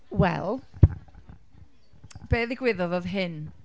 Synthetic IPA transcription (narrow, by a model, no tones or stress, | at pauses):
wɛ̰lˠ | b̥eːðɪɡwɪðɔðɔðɦɪn